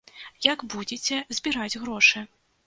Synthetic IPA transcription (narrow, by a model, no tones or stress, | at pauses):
jaɡbud͡zʲet͡sʲɛzʲbʲiɾad͡zʲɣɾɔʂɨ